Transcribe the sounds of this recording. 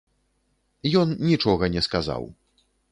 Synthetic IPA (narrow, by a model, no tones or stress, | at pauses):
jɔnːʲit͡ʂɔɣɐnʲɛskaza̰w